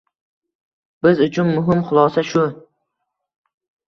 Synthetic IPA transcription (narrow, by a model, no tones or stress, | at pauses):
b̥ɪzʊt͡ʃʰʊnːʊɦɪmχʊlˠɒsaʃʊ